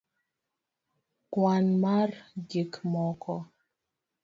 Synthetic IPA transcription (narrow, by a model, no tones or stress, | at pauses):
kwanmard͡ʒikmɔkɔ